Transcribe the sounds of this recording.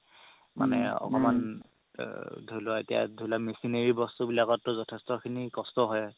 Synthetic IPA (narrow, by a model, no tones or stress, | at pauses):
ma̰nɛɔ̰kɔman | dʱolʊaetija̰dʱulamesineɹibɔstubilaɡɔtːʊzɔtʰɛstɔkʰinikɔstɔɦɔj